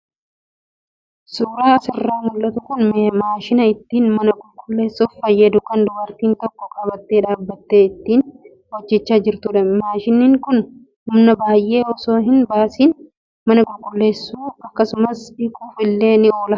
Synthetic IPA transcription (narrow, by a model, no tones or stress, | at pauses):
suːɾaːɐsɪrːaːmʊlːɐt̪ʊkʊnmeːmaːʃɪnɐɪt̪ːiːnmɐnɐɡʊlkʼʊlːe̞ːsːuffɐjːɐd̪ʊkɐnd̪ʊbɐɾt̪iːnt̪ɔkːɔkʼɐbɐt̪ːeːᶑaːbːɐt̪ːeːɪt̪ːiːn | wɐd͡ʒːɛt͡ʃːaːd͡ʒɪɾt̪ʊᶑɐmaːʃɪnːiːŋkʊn | hʊmnɐbaːjʔe̞ːɔso̞ːɦɪnbaːsiːn | mɐnɐɡʊlkʼʊlːe̞ːsːuːɐkːɐsʊmɐsɪkʼuːfɪlːe̞ːnɪo̞ːlɐ